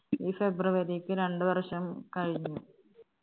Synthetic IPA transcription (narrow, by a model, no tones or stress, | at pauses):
iːfe̞bruʋɐɾikːɨɾe̞ɳɖɨʋɐrʂɐmkɐɻiɲːu